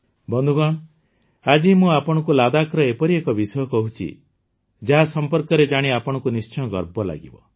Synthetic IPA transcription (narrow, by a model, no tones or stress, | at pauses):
bɔnd̪ʱuɡɔɽ̃ | ad͡ʒimũapɔɽ̃ɔkulad̪akɾɔepɔɾiekɔbisɔjɔkɔɦut͡ʃʰḭ | d͡ʒaɦasɔmpɔɾkɔɾed͡ʒaɽ̃iapɔɽ̃ɔkunist͡ʃɔ̃ɔɡɔɾbɔla̰ɡḭbɔ̰